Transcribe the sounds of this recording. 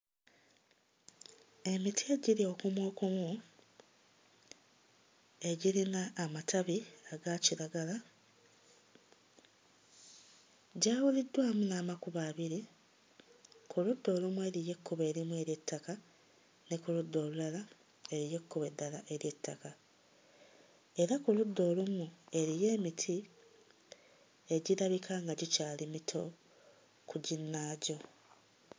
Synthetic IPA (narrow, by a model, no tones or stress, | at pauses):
e̞mitieɟiɾio̞kumwo̞ːkumu | e̞ɟiɾinaːmatʰaβiaɡaciɾaɡala | ɟaːwulidːwaːmunaːmakuβaːβiɾi | kuludːo̞ːlumwe̞ːɾije̞kːuβe̞ːɾimue̞ːɾje̞tːaka | nekuludːo̞ːlulala | e̞ɾije̞kːuβedːalaʔe̞ɾje̞tːaka | e̞ɾakuludːo̞ːlumue̞ɾije̞ːmitʰi | e̞ɟiɾaβikʰaːŋɡaɟicaːlimitʰo̞ | kuɟinːaːɟo̞